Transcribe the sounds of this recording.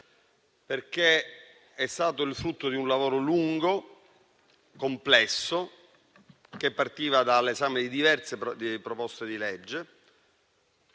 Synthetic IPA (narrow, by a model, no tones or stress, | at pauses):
perk̟e | ɛst̪aːt̪oilfɾut̪ːod̪iunlavoːɾoluŋɡo | komplɛsːo | k̟epːart̪iːvad̪alezaːmed̪id̪ivɛrt̪seipɾopɔst̪ed̪iled͡ʒːe